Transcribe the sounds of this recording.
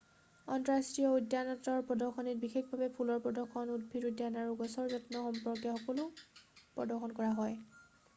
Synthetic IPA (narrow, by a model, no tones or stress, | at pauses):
ɔntɔɹastɹijɔudanɔtɔɹpɹɔdɔxɔnit̚bixexbʱabɛpʰulɔɹpɹɔdɔxɔnud̚bʱiɹudjanaɹuɡɔsɔɹzɔtnɔxɔmpɔɹkjaxɔkɔlʊpɹɔdɔxɔnkɔɹaɦɔj